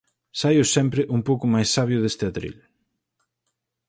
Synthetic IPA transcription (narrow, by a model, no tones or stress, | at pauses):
sajʊsɛmpɾɪʔuŋpowkʊmajsːaβjʊðest̪ɪat̪ɾḭl